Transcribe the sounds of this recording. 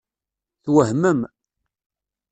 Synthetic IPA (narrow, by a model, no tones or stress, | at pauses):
θwəɦməm